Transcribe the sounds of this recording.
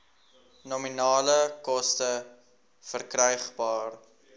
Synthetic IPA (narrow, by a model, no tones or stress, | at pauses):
nɔminɑːləkɔstə | fərkrœjχbɑːr